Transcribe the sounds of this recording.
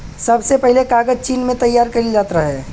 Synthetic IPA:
sɐbsepɛɦlekaːɡəd͡ʒt͡ʃiːnmẽt̪ɐjːaːɾkɐɾild͡ʒaːt̪ɾɐɦɛː

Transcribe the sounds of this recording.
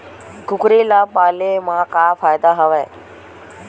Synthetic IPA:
ɡʊkɾilapalemãkafajd̪aɦəʋe

